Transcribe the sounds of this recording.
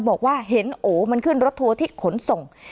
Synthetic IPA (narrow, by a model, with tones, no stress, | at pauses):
bɔː˨˩k̚waː˥˩ɦe˨˦nʔoː˨˦ma˧nkʰɯ˥˩nɾo˦˥t̪ʰːu˧ɐt̪ʰiː˥˩kʰo˨˩˦nso˨˩ŋ